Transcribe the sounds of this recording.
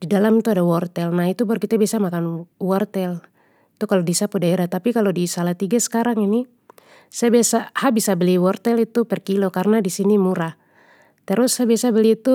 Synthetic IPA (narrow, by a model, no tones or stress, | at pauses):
didalamit̪uadawɔrt̪ɛlnaɦit̪ubaɾkit̪abiasamakanwɔrt̪ɛl | it̪ukalodisapudaɛɾat̪apikalodisalaht̪iɡasə̥kaɾaŋini | sajabiasahabisabəliwɔrt̪ɛlit̪upɛrkilɔkarnadisinimuɾa | t̪ɛɾʊsːaabiasabəlit̪u